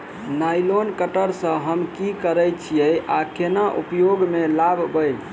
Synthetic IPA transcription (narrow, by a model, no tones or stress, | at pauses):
najlonkəʈəɾsə̃ɦəmkikəɾət͡ʃʰijəjakenaʔṵpjoɡmelabbəj